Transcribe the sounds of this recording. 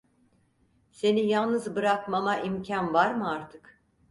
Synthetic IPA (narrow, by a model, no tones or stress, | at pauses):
se̞nijalˠnɯzbɯɾakmamaʔimcʰanvaɾmɯaɾt̪ʰɯk